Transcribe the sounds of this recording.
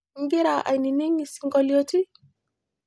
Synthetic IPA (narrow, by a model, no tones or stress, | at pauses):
ŋɡiɾaʔa̰jniniŋisiŋɡɔlioti